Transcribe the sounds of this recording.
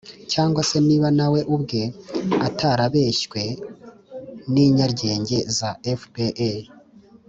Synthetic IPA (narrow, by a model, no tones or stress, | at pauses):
caːŋɡwase̞niːβanawe̞ʔubɡeataɾaβe̞ʃkwe̞ | niːɲaɾɟe̞ːɲɟe̞zaefbeʔe